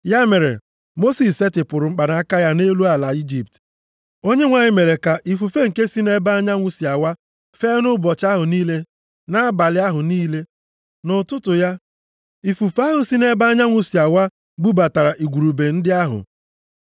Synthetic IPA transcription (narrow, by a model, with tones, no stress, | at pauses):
ja˦me˨ɾḛ˨ | mo˦si˨se˦tɪ˨pʊ˨ɾʊ˨ŋ͡m̩˦k͡pa˨da˨˦a˦ka˦ja˦ne˦lu˦a˨la˨i˦d͡ʒi˨p̚t | o˦ɲe˦ŋʷa˨ɲɪ˦me˨ɾe˨ka˨ʔi˨f̬u˨fe˦ŋ̩˨ke˦si˦ne˦ba˦ɲa˦ŋʷu˦si˨a˨wa˦ | fe˦nʊ˦bɔ˨t͡ʃa˦ɦʊ˨niː˦le˦ | na˦a˦ba˨lɪ˦a˦ɦʊ˨niː˦le˦ | nʊ˨tʊ˦tʊ˨ja˦ | i˨fu˨fa˦ɦʊ˨si˦ne˦ba˦a˦ɲa˦ŋʷu˨si˨a˨wa˦ | ɡ͡bu˦ba˨ta˨ɾa˨ʔi˨ɡʷu˨ɾu˨be˨n̩˦dɪ˦a˦ɦʊ̰˨